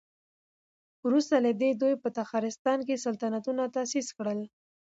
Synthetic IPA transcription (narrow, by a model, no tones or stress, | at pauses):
wɾust̪alad̪ed̪ujpət̪axɑɾɪst̪ɑnk̬esalt̪anat̪unat̪asiskɽəl